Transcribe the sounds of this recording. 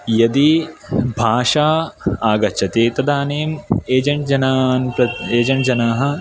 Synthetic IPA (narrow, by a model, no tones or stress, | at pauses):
jɐd̪ibʱaːʂaːaːɡɐtːt͡ʃʰɐt̪eːt̪ɐd̪aːneːmeːd͡ʒɐɳʈ̚d͡ʒɐnaːnpɾɐeːd͡ʒɐɳʈd͡ʒɐnaːɦɐ̆